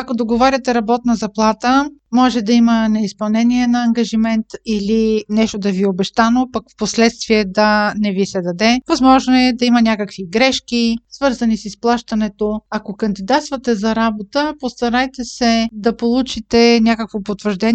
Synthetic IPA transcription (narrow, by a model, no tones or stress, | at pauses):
ɐkod̪oɡovaɾʲɐt̪ɛɾɐbɔt̪nɐzɐplˠat̪əmɔʒɛd̪ɐimənɛispɐlˠnɛniɛnɐːŋɡɐʒimɛnt̪ilinɛʃt̪od̪ɐviobɛʃt̪anopɐkfposlɛt̪st̪viɛd̪ɐnɛvisɛd̪ɐd̪ɛvɐzmɔʒnoɛd̪ɐimɐnʲakəkviɡɾɛʃkisvɤɾzɐnisisplˠaʃt̪ɐnɛt̪oɐkokɐnd̪id̪at̪st̪vɐt̪ɛzɐɾabot̪əpost̪ɐɾajt̪ɛsɛd̪ɐpolˠut͡ʃit̪ɛnʲjakəkvopot̪vəɾʒd̪ɛn